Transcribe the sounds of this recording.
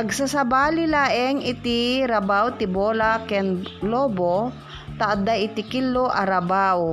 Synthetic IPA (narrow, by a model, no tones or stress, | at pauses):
pɐɡsasɐbaːlɪlaːʔɛŋɪt̪iɾɐbawt̪ɪboːlakɛnloːbo | t̪aʔad̪aʔɪt̪ɪkɪlːoʔɐɾabaw